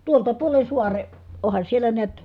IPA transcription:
tuoltɑ puolen̞ suɑre ohɑn sielːæ neæt

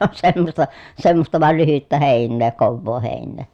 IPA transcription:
on semːostɑ semːostɑ ʋɑˑel lyhytːæ heˑinːeː koʋːoː heˑinːeː

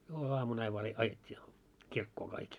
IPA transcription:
jouluɑmun ɑiʋ ʋɑː re ɑjetʲːiː kirkːoː kɑik

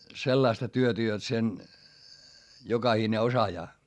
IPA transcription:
selːɑistɑ tyøtæ jot sen jokɑhine osɑjɑː

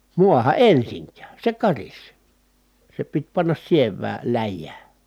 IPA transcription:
muɑhɑ ʔensiŋkæː se kɑris se pit pɑnːɑs sieʋˑæː læjːæː

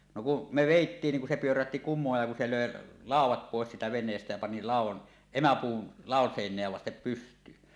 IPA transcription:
no ku me ʋeˑitːiːn ni ku se pyøræhti kumˑoːj jɑ ku se løˑe lɑˑuwˑɑt poˑes siːtæ ʋenˑeːstæ jæ pɑni lɑˑuwˑɑn emæpuːn lɑˑon seˑinˑeæ ʋɑstep pystˑyːn

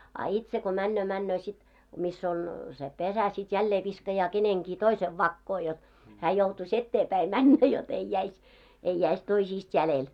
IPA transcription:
ɑ itse ko mænːøː mænːøː sit misː oŋ se pesæ sit jælːeː ʋiskɑjɑː keneŋɡ̊iː toiseʋ ʋɑkːoː jot hæː joutus etːeːpæi mænːæ jot ei jæis ei jæis toisiːst jælel

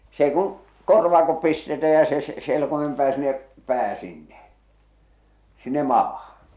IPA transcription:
s eĭ kuŋ korʋɑːkop pistetæ jɑ se se selkomem pæː sinˑĕ pæː sinːe sinːe mɑːhɑ̥

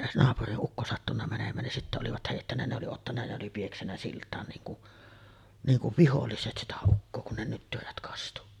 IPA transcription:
nɑːpuriʔ ʔukːo sɑtːunːɑ mænemˑæːn nin sitːæ oliʋɑt heˑitːænːæ ne oli otːɑnːɑ ne oli pieksænːæ siltˑɑːn niːŋ kuʔ niːŋ kuʋ ʋiholːiset sitæ ukːoː kun ne nytːyræt kɑstu

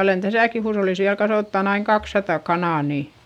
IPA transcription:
olen tæsæˑki huːsholːis ʋiæl kɑsoˑtːɑn ɑiŋ kɑksːɑtɑ kɑnɑˑ ni

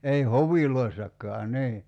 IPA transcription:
ei hoʋiloisːɑkˑɑː niː

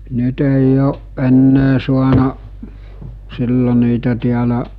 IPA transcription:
nyt eˑij oːʔ ʔenːeː suɑnɑʔ silːo niːtæ tiælæʔ

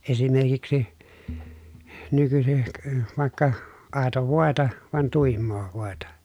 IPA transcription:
esimerkiksi nykysik ʋɑˑekːɑ ɑˑeto ʋoˑetɑ ʋɑn tuˑimːoː ʋoˑetɑ

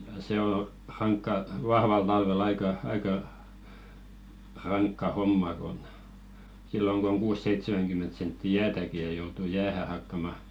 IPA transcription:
jɑ se o rɑŋkːɑ ʋɑhʋɑl tɑlʋel ɑikɑ ɑikɑ rɑŋkːɑ homːɑ kon silːoŋ k oŋ kuːsːeitsemæŋɡ̊ymːent sentːi jæːtæki jɑ joutu jæːhæ hɑkːɑmɑ

